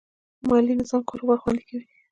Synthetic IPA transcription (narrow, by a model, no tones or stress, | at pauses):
mɑlinɪzɑmkoɾwaɾxwand̪ikawi